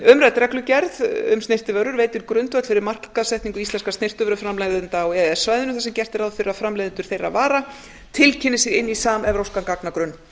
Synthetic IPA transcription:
ʏmɾajt̪ɾɛklʏcɛɾðʏ̰mst̪nejr̥t̪ɪvœɾʏɾveːjt̪ɪɾkɾʏnt̪vœt̪fɪɾɪɾmar̥kːaðsɛjht̪iŋkʏist̪ɛnskast̪ejr̥t̪ʏvœɾʏfɾamlajðɪnt̪aːwɛɛsvaːjðɪnʏθasɛmcɛr̥t̪ɪɾaðfɪɾafɾamlajðɪnt̪ʏɾ̥θejrːa̰vaːɾa | t̪ʰɪlcʰɪnɪsɛɾɪnːisaːmɛvɾowskankaknakɾʏnː

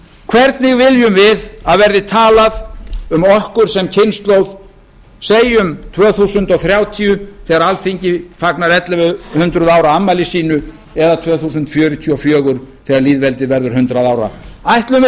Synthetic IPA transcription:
kʰvɛɾt̪nɪɣvɪðjʏmvɪðaðvɛɾðɪt̪ʰaːlaðʏmɔhkʏɾ̥sɛmcʰɪnst̪lowð̥ | seːjʏmt̪ʰvœːθusʏnt̪ɔɣθɾjaːwt̪ʰiʏθɛːɣaɾalfiɲcɪfaknaɾɛt̪lavʏhʏnt̪ɾʏðaːwɾaamːalɪsiːnʏ | ɛðat̪ʰvœːθusʏnt̪fjœːɾʏt̪ʰiɔfjœːɣʏɾ̥θɛːɣaɾliːðvɛlt̪ɪðvɛɾðʏɾ̥ɦʏnt̪ɾaðaːwɾa̰ajht̪lʏm

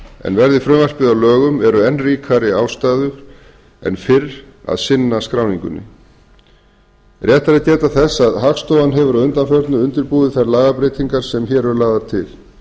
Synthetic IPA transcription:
ɛ̰nvɛɾðɪfɾʏːmar̥pɪðawlœːɣʏmɛɾʏɛnːriːkʰaɾɪaːwst̪aːðʏɾ | ɛ̰nfɪɾ | a̰ðsɪnːaskɾawniŋkʏ̰nːɪ̰ | rjɛht̪aɾɪt̪ɛːt̪aθɛsːaðɦakst̪owanɦɛvʏɾaðʏnt̪anfœɾt̪nʏʏnt̪ɪɾpuːðɪθaɾlaːɣapɾejt̪iŋkaɾ̥sɛmçɛːɾɛɾlaːðat̪ʰɪl̥

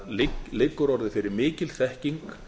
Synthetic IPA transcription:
lɪkːʏɾɔɾðɪfɪɾɪɾmɪːcɪlθɛhciŋk

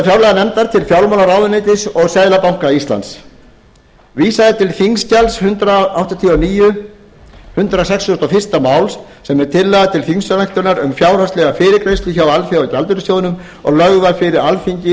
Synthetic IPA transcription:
fjawlɛɣanɛmt̪aɾt̪ʰɪlfjawlmawlaɾawðʏneːjt̪ɪsɔɣsɛjðlapawŋ̥kaist̪la̰nt̪s | viːsaðɪt̪ʰɪlfiŋscalshʏnt̪ɾaawht̪at̪ʰiɔniːjʏ | hʏnt̪ɾasɛksɔst̪ɔfɪr̥t̪amaːwls | sɛmɛɾ̥t̪ʰɪlːaɣðat̪ʰɪlfiŋsœnajht̪ʏɾnaɾʏmfjaːwɾ̥ast̪lɛɣafɪːɾɪɾkɾejst̪lʏçawalfjawacalt̪ʏɾʏsjoːwðɪnʏm | ɔ̰ɣlœɣðafɪɾɪɾalfiɲcɪ

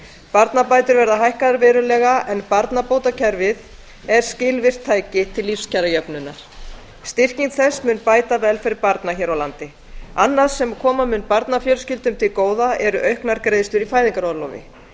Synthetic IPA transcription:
paɾt̪napaːjt̪ʏɾvɛɾðaɦajhkaðɾvɛːɾʏlɛɣaɛnpaɾt̪napoːwt̪acʰɛɾvɪð | ɛɾ̥scɪlvɪr̥t̪ʰːaːjcɪt̪ʰɪlːifscaɾajœpnʏnːaɾ̥ | st̪ɪr̥ciŋt̪θɛsmʏnpaːjt̪avɛlfɪɾɪɾpaɾt̪naçɛːɾawlant̪ɪ | anːaɾ̥sɛmkʰɔːmamʏnpaɾt̪nafjœːɾscɪlt̪ʏmt̪ʰɪlkoːwðaʔɛɾʏʔœɥhknaɾkɾeːjðɪst̪ʏɾifaːjðiŋkaɾɔðlɔwvɪ̰

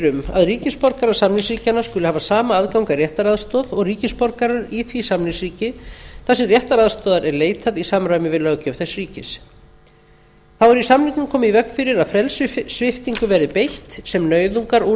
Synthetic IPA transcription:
ɾʏma̰ðriːcɪspɔɾkaɾaɾ̥samnlɪsriːcanːaskʏlɪhaːvasaːmaaðkawŋkarjɛht̪aɾaðst̪ɔːðɔɣriːcɪspɔɾkaɾaɾiθvisamnɪsriːcɪθasɪrjɛht̪aɾaðst̪ɔːðaɾɛɾleːjt̪ʰaðisamɾaɥmɪvɪðlœɣcʏwθɛsriːcɪs | θawɛɾisamliŋknʏmkʰɔːmɪivœkn̥fɪɾɪɾaðfɾɛlsʏsvɪft̪iŋkʏvɛːɾɪpejht̪sɛmnœːɥðuŋkaɾɔ

